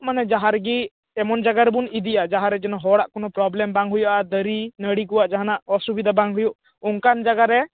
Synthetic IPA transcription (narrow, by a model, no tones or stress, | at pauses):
manɛd͡ʒaɦaɾɡi | ɛmɔnd͡ʒaɡaɾɛbunid̪ijad͡ʒaɦaɾɛd͡ʒɛnɔɦɔɽaʔkɔnɔpɾɔblɛmbaŋɦujaʔad̪əɾinəɽikɔwaʔd͡ʒaɦanaʔɔsubid̪abaŋɦujuʔ | uŋkand͡ʒaɡaɾɛ